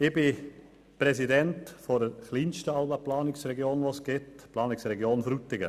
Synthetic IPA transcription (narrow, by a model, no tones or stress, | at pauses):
ɪbɪ | pɾɛsidɛntfɔɾdəχliːnʃtəɑlbəplɑːnɪksrɛɡjoːnʋoːsɡ̥ɪtplɑːnɪksrɛɡjoːnfɾutɪɡə